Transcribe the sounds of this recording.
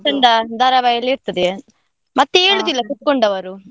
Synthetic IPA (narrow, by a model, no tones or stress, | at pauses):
ɐɳɖɐd̪ʱɐɾɐʋɐjɐlːiɾt̪ɐd̪e | mɐt̪ːeeːɭud̪ilːɐkuʈ̪̚koɳɖɐʋɐɾu